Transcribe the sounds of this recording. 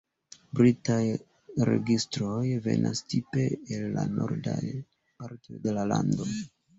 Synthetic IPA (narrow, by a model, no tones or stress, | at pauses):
bɾitaj | ɾe̞ɡistɾo̞jve̞nʔastipeelːanoɾdaj | paɾto̞jde̞lalando̞